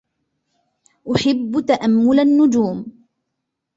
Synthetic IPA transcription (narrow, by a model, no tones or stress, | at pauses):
ʔʊħɪbːt̪aʔamːʊlanːʊd͡ʒuːm